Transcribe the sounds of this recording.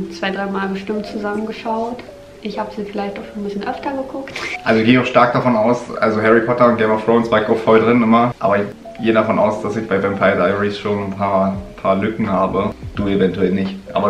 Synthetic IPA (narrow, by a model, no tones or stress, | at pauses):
t͡sv̥aɪdʁaɪmaːlbəʃtɪmtt͡suzamənɡəʃaʊt | ʔɪçhaːbəziːfɪlaɪçtaʊxʃoːnbɪsçənʔœftɐɡəɡʰʊktʔalzoɪçɡeːaʊxʃtaɐk̚d̥afɔnaʊsʔa̰lzoɦɛʁipʰɔtɐʊntɡ̥ɛmɔfʁ̥oʊnsv̥aːɪkaʊxfɔldʁɪnɪmɐʔa̰ːbɐɪç | ɡ̥eːədafɔnʔaʊsd̥asɪçb̥aɪvɛmpʰaɪdaɪəʁisʃoːnn̩pʰaːɐpʰaːɐlʏkŋ̩haːbəd̥uːevɛntuɛlnɪçtʔa̰ːbɐ